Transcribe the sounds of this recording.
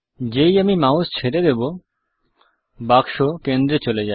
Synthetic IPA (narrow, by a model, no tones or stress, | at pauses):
d͡ʑejamimaust͡ɕʰeɾed̪ebo | bakʃokend̪ɾet͡ɕoled͡ʑae